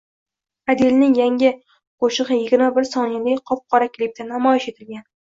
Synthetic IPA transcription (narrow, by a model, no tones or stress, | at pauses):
ad̪elnɪŋjaŋʲɪ | qʰoʃɨʁɨjɪɡʲɪɾmabɪɾsɒnɪd̪ejqʰɒp̚qʰɒɾakʲʰlip̚t̪anamɒjɪʃe̞t̪ʰɪlɡʲan